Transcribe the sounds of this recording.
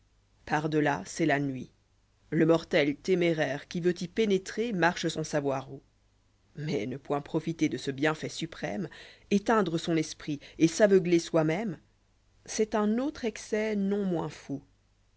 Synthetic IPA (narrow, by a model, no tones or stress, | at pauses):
paʁd̪əlasɛlanɥi | ləmɔʁt̪ɛlt̪emeʁɛʁkʲivøt̪ipenet̪χemaʁʃəsɑ̃savwaʁo | mɛ̰nəpwɛ̃pχɔfit̪ed̪əsəbjɛ̃fɛsypχɛ̰met̪ɛ̃d̪ʁəsɔ̃nɛspχiesavəɡleswamɛm | sɛt̪ɛ̃not̪χɛksɛnɔ̃mwɛ̃fu